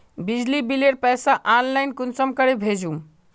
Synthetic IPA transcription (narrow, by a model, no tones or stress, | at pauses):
bid͡ʒlibileɾpɛsaʔanlaɪnkunsəmkəɾebʱed͡ʒum